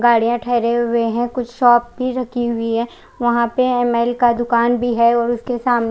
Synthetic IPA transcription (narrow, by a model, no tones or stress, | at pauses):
ɡaːɽijãʈʰɛːɾeɦʊeɦɛ̃kʊt͡ʃʰʃɔːp̚bʱiɾɐkʰiɦʊiɦɛː | ʋɐɦãpeɛmɛːlkad̪ʊkaːnbʱiɦɛɔːɾʊskesaːmn